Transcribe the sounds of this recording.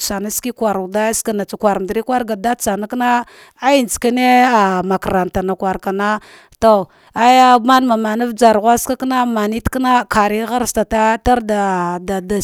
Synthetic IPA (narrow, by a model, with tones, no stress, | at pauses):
t͡ʃa˨na˦ski˦kʷa˨ɾda˦ska˨na˨t͡sa˨kʷa˨ɾdɾi˦kwa˦ɾɡa˨da˦t͡sa˨na˦kna˦ | a˦ji˨n˨t͡ska˦ne˦a˨ma˨kɾa˨nta˨na˨kwa˨ɾka˨na˦ | to˨ | a˦ja˦ma˦n˦ma˨ma˨na˦vd͡ʒa˨ɾɣʷa˦ska˦kna˦ma˨ni˦tkna˦ka˨ɾi˦ɣa˦ɾsta˨ta˦ta˦ɾda˨da˨da˨